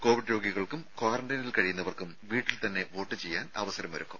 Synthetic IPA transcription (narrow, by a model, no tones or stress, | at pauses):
ko̞ːʋiɖɾo̞ːɡiɣɐɭkumkwaːrɐɳɖɐnilkɐɻijunːɐʋɐrkumʋiːʈːilt̪ɐnːe̞ʋo̞ːʈːɨt͡ɕe̞jːaːnɐ̰ʋɐsɐɾɐmʋɐɾukːum